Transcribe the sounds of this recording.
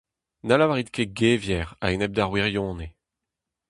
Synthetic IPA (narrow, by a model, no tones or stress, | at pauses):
nalawaʁit̪kʰeɡeːvjɛʁa̰enɛb̚d̪aʁwiʁjɔ̃ːne